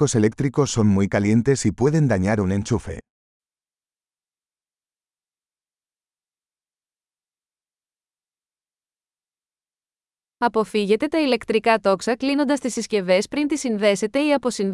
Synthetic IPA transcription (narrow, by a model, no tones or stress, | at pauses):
o̞se̞le̞k̚t̪ɾiko̞sːo̞nmujkɐle̞nt̪e̞sipwe̞ðe̞nd̪ɐɲaɾune̞nt͡ʃufe̞̰ | ɐpo̞fiʝe̞t̪e̞t̪ɐile̞kt̪ɾikɐt̪o̞ksɐklino̞nd̪ɐst̪isisce̞ve̞spɾint̪isinðe̞se̞t̪e̞iɐpo̞sin